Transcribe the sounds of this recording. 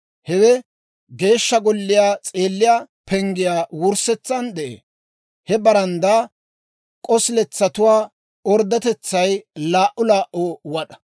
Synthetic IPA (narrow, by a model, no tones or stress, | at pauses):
hɛwɛ | ɡe̞ːʃːɐɡɔlːɪjaːt͡sʼeːlːɪjaː | pɛŋɡɪjaːwʊɾsɛt͡sːɐnd̪ɛʔḛː | hɛbɐɾɐnd̪a | kʼɔslɛt͡sːɐt̪ʊwaː | ɔɾd̪ɐt̪ɛt͡sːɐjlaːʔʊlaːʔoːwɐɗɐ̥